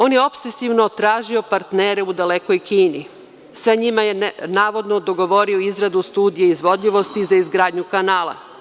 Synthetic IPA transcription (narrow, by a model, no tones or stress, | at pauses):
o̞ːnjeo̞psesiʋnot̪ɾaːʒio̞paɾt̪neːɾeud̪aleko̞jkiːni | saɲimajenaːʋo̞d̪nod̪o̞ɡo̞ʋo̞ɾioizɾad̪ust̪uːd̪ijeizʋo̞d̪ʎʲiʋo̞st̪izaizɡɾaːd̪ɲukanaːlˠa̰